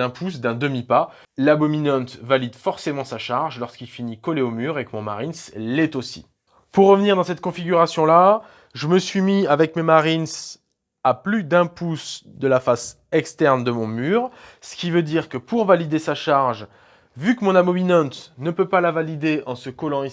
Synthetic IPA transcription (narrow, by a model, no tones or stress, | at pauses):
ɛ̃pʰus̬d̪ɛ̃d̪əmipa | labɔminɑ̃t̪valid̪fɔʁsemɑ̃saʃaʁʒlɔʁskilfinikɔleomyʁekəmɔ̃maʁinslɛt̪osḭ | puʁːəvəniʁd̪ɑ̃sɛt̪kɔ̃fiɡʲyʁasjɔ̃la | ʒəməsɥimiavɛkmemaʁins | aplyd̪ɛ̃pusd̪əlafas | ɛkst̪ɛʁnd̪əmɔ̃myʁsə̥kʲivød̪iʁkəpuʁvalid̪esaʃaʁʒ | vykəmɔ̃nabɔminɑ̃t̪nəpøpalavalid̪eʔɑ̃səkɔlɑ̃i